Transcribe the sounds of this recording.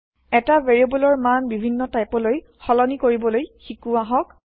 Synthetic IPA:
ɛtaveɹiebɔlɔɹmanbibʱinːɔtajpɔloj | xɔlɔnikoɹibɔlojxikuaɦɔk

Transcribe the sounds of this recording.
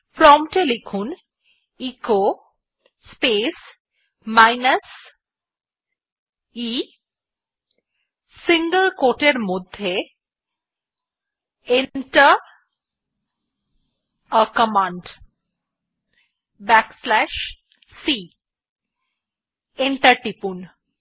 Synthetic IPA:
fɾɔmʈelikʰun | iko | spes | majnəs | i | siŋɡəlkoʈeɾmod̪ʱːe | eɳʈə | əkəmaɳɖ | bɛkslɛʃ | si | eɳʈəʈipun

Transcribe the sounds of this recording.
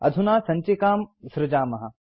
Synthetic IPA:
ɐ̰d̪ʱunaːsɐ̃ɲt͡ʃekaːmsɾɪd͡ʒaːmɐɦɐ̆

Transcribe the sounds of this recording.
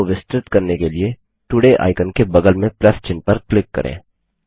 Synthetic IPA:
ʋɪst̪ɾɪt̪kɐɾnekelie | ʈʊɽeʔa̰ːɪkənkebɐɡəlmẽplɐst͡ʃɪnpɐɾklɪkːɐ̰ɾʔḛ̃ː

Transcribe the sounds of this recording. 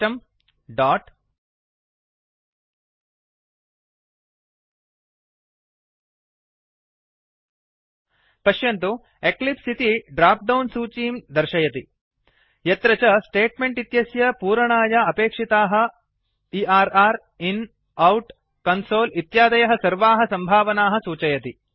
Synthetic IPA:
ɐm | ɖaːʈ | pɐʃjɐnt̪u | eklipsit̪iɖɾaːp̚ɖɐwnsuːt͡ʃiːmd̪ɐɾʃɐjɐt̪i | jɐt̪ɾɐt͡ʃɐsʈeːʈmeɳʈit̪jɐsjɐpuːɾɐɳaːjɐɐpeːkʂit̪aːɦɐ | iaːɾaːɾ | in | ɐwʈ | kɐnsoːlit̪jaːd̪ɐjɐɦɐsɐɾʋaːɦɐsɐmbʱaːʋɐnaːɦɐ̆suːt͡ʃɐjɐt̪i

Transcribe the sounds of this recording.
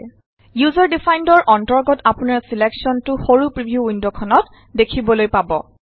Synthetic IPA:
juzɔɹdifajndɔɹʔɔntɔɹɡɔtapunaɹsileksɔntʊxoɹupɹibʱjuindokʰɔnɔt | dekʰibɔlojpabɔ

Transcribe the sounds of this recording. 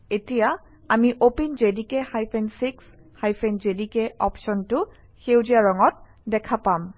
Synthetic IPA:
etija | amiʔopinzedikɛhajpʰɛnsiks | hajpʰɛnzedikɛɔ̰psɔntʊ | xewzijaɹɔŋɔt̚ | dɛkʰapam

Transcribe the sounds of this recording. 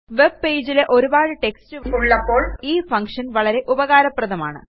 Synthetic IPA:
ʋe̞bpe̞ːd͡ʑileʔo̞ɾubaːɻɨʈe̞kstɨʋuɭːɐpːo̞ːɭiːfɐŋkʂɐnʋɐɭɐɾe̞ʔubɐɣaːɾɐprɐðɐma̰ːɳɨ̰

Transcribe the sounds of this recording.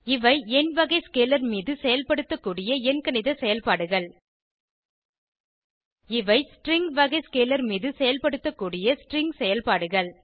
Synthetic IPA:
ɪʋɐɪɛnʋɐɣɐɪskeːlɐɾmiːðɯsɛjɐlpɐɽɯt̪ːɐkːuːɽɪjɐɛnkɐnɪðɐsɛjɐlpaːɽɯɣɐɭ | ɪʋɐɪsʈɾɪŋɡʋɐɣɐɪskeːlɐɾmiːðɯsɛjɐlpɐɽɯt̪ːɐkːuːɽɪjɐsʈrɪŋɡsɛjɐlpaːɽɯɣɐɭ

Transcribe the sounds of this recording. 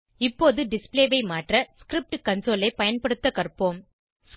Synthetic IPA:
ɪpːoːðɯɖɪspleːʋɐɪmaːʈrɐskɾɪp̚ʈɯkɐnsoːlɐɪpɐjɐnpɐɽɯt̪ːɐkɐɾpːoːm | s

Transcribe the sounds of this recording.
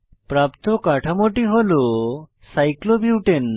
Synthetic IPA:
pɾapt̪ɔkaʈʰamoʈiɦolu | sajklobiwʈen

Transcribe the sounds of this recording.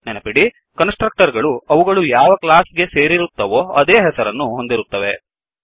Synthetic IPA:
nɛnɐpiɽi | kɐnsʈɾɐk̚ʈɐɾɡɐɭuɐʋuɡɐɭujaːʋɐklaːsɡe̞se̞ːɾiɾut̪ːɐʋo̞ːɐd̪eːɦɛsɐɾɐnːuɦo̞nd̪iɾut̪ːɐʋe̞̰

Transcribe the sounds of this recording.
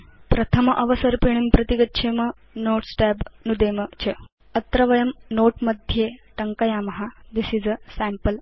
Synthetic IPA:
pɾɐt̪ʰəmʔɐʋəsəɾpiɳ̃impɾɐt̪iɡɐt̪ːʃʰemə | noːʈsʈɛbnud̪emət͡ɕʰe | ɐt̪ɾɐʋɐjɐmnoːʈmɐd̪ʱjeʈɐŋkɐjamɐɦad̪isid͡zəsæmpəl

